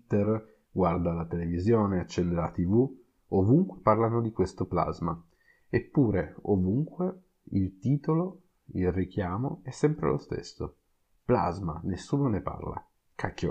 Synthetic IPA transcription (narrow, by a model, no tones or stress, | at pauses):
t̪ːer | ɡward̪aːlat̪elevizjoːneat͡ʃːɛnd̪ealat̪ivu | ovuŋkweparlanod̪ikwest̪opla̰zma | epːuːɾeovuŋkwe | ilt̪iːt̪olo | ilrik̟jaːmo̰ɛsːɛmpɾḛlo̰st̪ḛsːo | pla̰zma̰nesːuːnonepa̰rla̰ | kʰakːo